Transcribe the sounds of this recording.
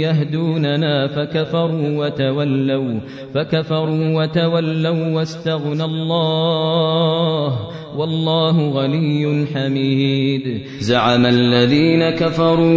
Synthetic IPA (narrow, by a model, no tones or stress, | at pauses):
jaɦd̪uːnanaːfakafɑɾˤuːwat̪awalːaw | fakafɑɾˤuːwat̪awalːawwast̪aɣnalˤːɑː | h | wɑlˤːɑːɦʊɣalijːʊnħamiːd̪ | zaʕamalːaðiːnakafɑɾˤuː